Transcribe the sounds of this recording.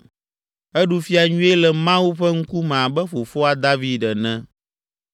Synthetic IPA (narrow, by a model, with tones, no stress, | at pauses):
ɛ˦ɖu˦fi˦a˨ɲũ˦e˦lɛ˨mã˦wu˦ɸɛ˦ŋ̩˦ku˦mɛ̃˨a˨bɛ˦ɸo˨fo˦a˨d̪a˦vi˦ɖɛ˨nɛ̃˦